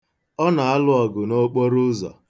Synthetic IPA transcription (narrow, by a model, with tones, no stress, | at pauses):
ɔ˦na˨a˦lʊ˨ɔ˨ɡʊ˨no˦k͡po˦ɾʊ˦zɔ̰˨